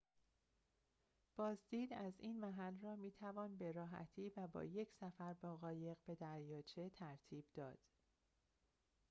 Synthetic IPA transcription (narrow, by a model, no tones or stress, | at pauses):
b̥ɒːzd̪iːd̪æziːnmæɦælrɒːmiːt̪ʰævɒːnbe̞ɾɒːɦæ̰t̪ʰiːvæbɒ̰ːje̞cʰsæfæɾbɒːɣɒːje̞ɣbe̞d̪æɾjɒːt͡ʃʰe̞t̪ʰæɾt̪ʰiːb̥d̪ɒ̰ːd̪̥